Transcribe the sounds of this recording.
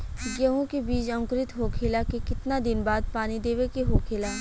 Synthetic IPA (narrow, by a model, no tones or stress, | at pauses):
ɡəɦõkebiːt͡ʃɐ̃ŋkɾɪt̪ɦokʰeːlakekɪt̪nad̪ɪnbaːd̪̚paːnid̪eːʋekeɦoːkʰeːlaː